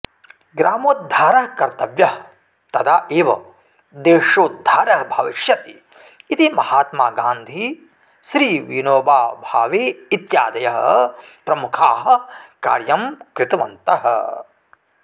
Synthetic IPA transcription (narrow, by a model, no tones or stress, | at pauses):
ɡɾaːmoːt̪̚d̪ʱaːɾɐɦkɐɾt̪ɐʋjɐɦ | t̪ɐd̪aːʔeːʋɐ̰ | d̪eːʂoːt̪̚d̪ʱːaːɾɐɦbʱɐʋiʃjɐt̪i | it̪imɐhaːt̪maːɡaːnd̪ʱi | ʃɾiːʋinoːbaːbʱaːʋeːit̪jaːd̪ɐjɐɦɐ̰pɾɐmukʰaːɦɐ̆ka̰ːɾjɐmkɾɪt̪ɐʋɐ̰nt̪ɐɦɐ̰